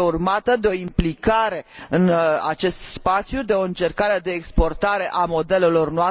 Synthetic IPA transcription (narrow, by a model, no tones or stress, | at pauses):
urmat̪əd̪eo̞implikaɾe̞ɨna̰t͡ʃe̞st̪spat̪sʲjud̪e̞o̞ɨnt͡ʃe̞rkaɾed̪e̞ːkspo̞rt̪aɾe̞ʔamo̞d̪e̞le̞lo̞rnoa